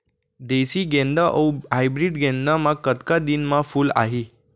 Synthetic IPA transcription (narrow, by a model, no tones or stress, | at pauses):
d̪esiɡɛ̃nd̪aʔajbɾiɖɡɛ̃nd̪amãkət̪kad̪inmãfuːla̰ɦi